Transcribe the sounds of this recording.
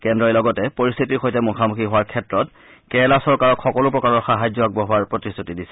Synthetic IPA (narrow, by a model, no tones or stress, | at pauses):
kɛndɹɔjlɔɡɔtɛpoɹist̪ʰitiɹxojtɛmukʰamuxʰiɦʊaɹkʰɛtɹɔt̚ | kɛlasɔɹkaɹɔkʰxɔkɔlʊpɹɔkaɹɔɹxaɦajd͡ʑɔaɡ̚bɔɦʊaɹpɹɔtistʰutidisɛ̥